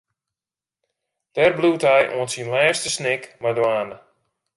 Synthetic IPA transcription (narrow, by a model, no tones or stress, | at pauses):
d̥ɛːrbluːtɦɛjʔo̰ənsinlɛːstəsnɪkmajdwaːnə